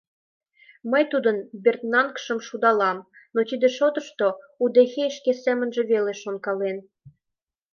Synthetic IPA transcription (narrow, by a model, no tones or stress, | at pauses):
məjt̪ud̪ənbʲert̪nɑnkʃəmʃud̪ɑlɑm | not̪id̪ĕʃot̪əʃt̪o | ud̪eɣeəʃkesæmə̆nʒĕβeleʃonkɑlen